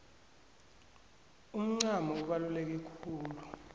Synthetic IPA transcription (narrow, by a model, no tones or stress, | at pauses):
um̩ŋ͡ǀamɔuɓalulek̬ikʰuːlu